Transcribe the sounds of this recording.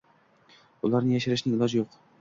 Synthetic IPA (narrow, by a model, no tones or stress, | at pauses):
ʊlˠɑɾnɪjaʃɪɾɪʃnɪɪlˠɑd͡ʒjoq